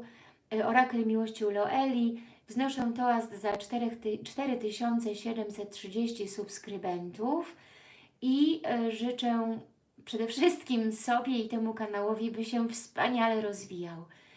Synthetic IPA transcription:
ɔɾaklɛmʲiwɔɕt͡ɕɔwlɔʔɛlʲi | vznɔʂɛ̃w̃t̪ɔazt̪zat̪ɛɾɛt̪t͡ʂt̪ɛɾɘt̪ɘɕɔnt̪sɛɕɛd̪ɛmsɛt̪̚tʂɘd͡ʑeɕt͡ɕisupskɾɘbɛnt̪uf | iʐɘt͡ʂɛ | pʂɛd̪ɛfʂɘst̪kʲimsɔbʲjɛit̪ɛmukanawɔvʲibɘɕɛfspaɲalɛɾɔzvʲijaw

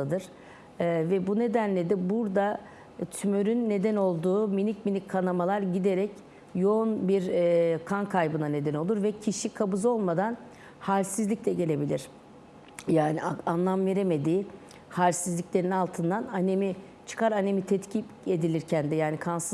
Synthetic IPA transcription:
ad̪ɯɾ̥ | vɛbune̞d̪ænlʲe̞d̪ɛbuɾd̪a | t̪ʰymøɾynːe̞d̪æno̞lˠd̪uːminicminickʰːanamalˠaɾɟid̪e̞ɾɛc | jo̞onbiɾkʰankʰajbɯnane̞d̪ɛno̞lˠuɾvɛcʰiʃikʰabuzo̞lˠmad̪an | halʲsizlʲiclʲɛɟe̞lʲe̞bilʲiɾ̥ | jaːnianlˠamve̞ɾeme̞d̪iː | halʲsizlʲicʲlʲeɾinalˠt̪ʰɯnd̪ananemi | t͡ʃʰɯ̥kʰaɾane̞mit̪ʰɛt̪cʰie̞d̪ilʲiɾcʰænd̪ɛjaːnikʰansɯ

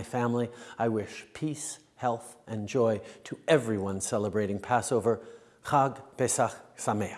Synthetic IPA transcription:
ɪfæ̃mliaɪwɪʃpʰis | hɛlˠθʔɨ̃nd͡ʒɔɪɾəʔɛvɹiwʌ̃nsɛlˠəbɹeɪɾɪ̃ŋpʰæsoʊvə˞ | xɑɡpesaxsameɪ

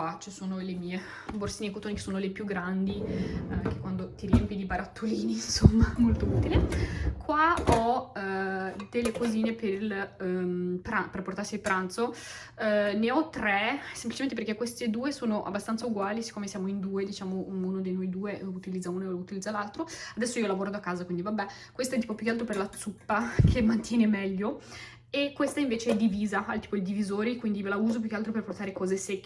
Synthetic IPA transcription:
wat͡ʃisoːnolemiːe | borsiːnekːot̪oːnikesoːnolepjuɡːɾand̪ik̟e̥kːwand̪ot̪iɾiɛmpid̪ipaɾat̪ʰːoliːninsomːamolt̪ouːt̪ilekʰwaɔ | d̪elːekoziːnepeɾil | pɾaperport̪arsiilpɾant̪so | neɔt̪ːɾɛsemplit͡ʃement̪eperkekːwest̪ed̪uːesoːnoʔa̰bːast̪ant̪sauɡwaːlisi̥kːoːmesjaːmoind̪uːed̪it͡ʃaːmouːnod̪ejnɔjd̪uːeut̪ilid̪zːaunolut̪ilid̪alalt̪ɾoad̪ɛsːoiːolavoːɾod̪akːaːzakwind̪ivabːɛ | kwest̪aɛt̪ːipopjukːealt̪ɾoperlat̪supːakʰemːant̪jɛːnemɛʎːo | ekːwest̪aiɱveːt͡ʃeɛd̪iviːzaalt̪iːpoild̪ivizoːɾikwind̪ivelauːzopjukealt̪ɾoperport̪aːɾekɔːzesekː

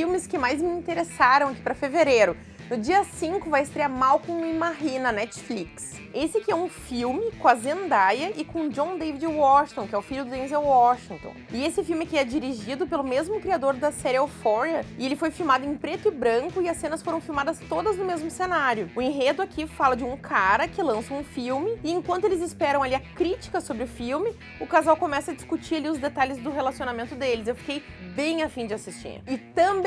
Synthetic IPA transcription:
fiwmɪskɪmajzmɪĩt̪eɾesaɾɐ̃w̃aki̥pɾɐfeveɾeɾʊ | nʊd͡ʒiɐsĩŋkʊvajɪst̪ɾeaɾmawkõimaɦinɐnɛt͡ʃfliks | esɪkɪɛũfiwmɪkõɐzẽnd̪ajɐʔɪkõd͡ʒõd̪evid͡ʒɪwɔʃt̪õkɪɛʊfiʎʊd̪ʊd̪ẽzawɔʃĩŋt̪õ̰ɪesɪfiwmɪkɪɛd͡ʒiɾiʒid̪ʊpelʊmezmʊkɾiad̪oɾd̪ɐsɛɾɪofɔɾiɐɪelɪfojfiwmad̪ʊẽj̃pɾet̪ʊɪbɾɐ̃ŋkʊɪɐsːẽnɐsfoɾɐ̃w̃fiwmad̪ɐst̪od̪ɐznʊmezmʊsenaɾjʊʊẽɦed̪ʊakʰifalɐd͡ʒɪũkʰaɾɐkɪlɐ̃sɐ̃ũfiwmɪɪẽkwɐ̃nt̪ʊelɪzɪspɛɾɐ̃w̃aliɐkɾit͡ʃi̥kɐsobɾɪʊfiwmɪ | ʊkazawkomɛsɐd͡ʒi̥skut͡ʃiɾaliʊzd̪et̪alɪzd̪ʊɦelasionamẽnt̪ʊd̪elɪzewfi̥kejbẽj̃afĩd͡ʒɪasist͡ʃḭɾɪt̪ɐ̃b

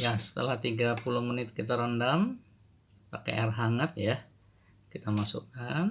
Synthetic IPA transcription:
jasə̥t̪ə̰laht̪iɡapulʊhmənɪt̪̚kit̪aɾandam | pakḛarɦaŋət̪ja | kit̪amasṵkan

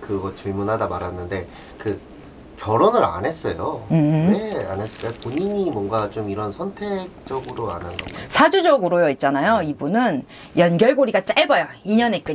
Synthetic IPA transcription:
kɯɡʌt͡ɕuɭmunɦadamaɾanːɯnde̞ | kɯ | kjʌɾonɯɾa̰nɦe̞s͈ʌjoɯnea̰nes͈ɯk͈apoɲiɲimwʌnɡat͡ɕomiɾʌnsʰʌntʰe̞k̚t͡ɕ͈ʌɡɯɾoa̰nanɡʌmisʰad͡ʑud͡ʑʌɡɯɾojoit̚t͡ɕ͈anajoibunɯn | jʌnɡʲjʌɭɡoɾiɡat͡ɕ͈aɭbʌjʌiɲʌne̞k͈ɯ

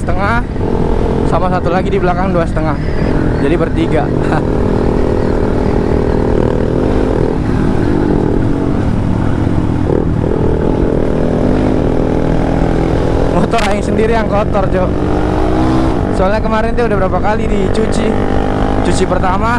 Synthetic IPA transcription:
ə̥t̪əŋah | samasat̪ulaɡidibəlakaŋduasət̪əŋah | d͡ʒadibərt̪iɡa | mot̪ɔɾaɪŋsəndiɾijaŋkɔt̪ɔrd͡ʒo | soalɲakəmaɾɛnt̪ɛudahbəɾapakalidit͡ʃut͡ʃi | t͡ʃut͡ʃipərt̪ama

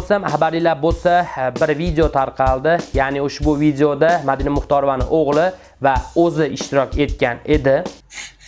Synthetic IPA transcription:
olˠsamχabaɾlilaɾbolˠsabɪɾvid̪eot̪ʰaɾqʰɑlˠd̪ɪjanɪʊʃbʊvid̪eod̪amad̪inamʊχt̪ɒɾovanɪ̰ʔoʁlˠɪ | vaɵzɪɪʃt̪ɪɾɒkʲe̞t̪kʲane̞d̪ɪ

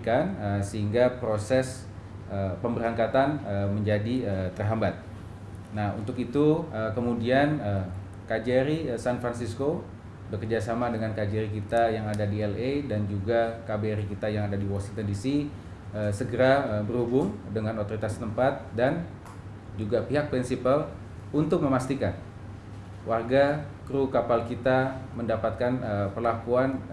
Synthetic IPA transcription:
kanəsəɦiŋɡapɾosɛs | əpəmbəɾaŋkat̪anəməɲd͡ʒadiət̪ərɦambat̪̚ | nahṵnt̪ʊkit̪uəkəmudianə | kad͡ʒɛɾisanfɾansisko | bəkərd͡ʒasamadəŋankad͡ʒɛɾikit̪ajaŋadadiɛledand͡ʒuɡakabeɾikit̪ajaŋadadiwɔsiŋt̪əndisi | əsəɡəɾabərhubʊŋdəŋanot̪oɾit̪ast̪əmpat̪̚dan | d͡ʒuɡapiɦak̚pɾinsipəl | unt̪ʊk̚məmast̪ikan | wʔarɡakɾukapalkit̪aməndapat̪̚kanəpərlakuan

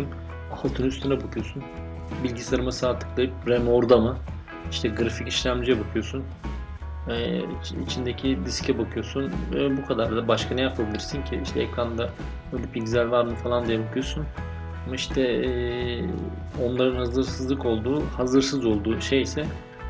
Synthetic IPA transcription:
un | afat̪ʰunyst̪ʰɯnabakʰɯjosun | bilʲɟisaɾɯmasaɾt̪ʰɯ̥klˠajɯp̚ɾɛmoɾd̪amɯ | iʃt̪ʰɛɡɾaficiʃlʲæmd͡ʒijɛbakʰɯjo̞sun | ɛ | ḭt͡ʃʰind̪ecʰid̪iscʰɛbakʰɯjo̞sunbukʰad̪aɾd̪abaʃkʰanɛjapʰabilʲiɾsiɲcʰiiʃt̪ʰɛɛkɾand̪a | bøjlʲɛpʰilʲɟizælʲvaɾmɯfalˠand̪ijɛbakʰɯjo̞sun | amaiʃt̪ʰɛ | o̞nlˠaɾɯnhazɯɾsɯzlˠɯko̞lˠd̪uːhazɯɾsɯzo̞lˠd̪uːʃe̞jisɛ

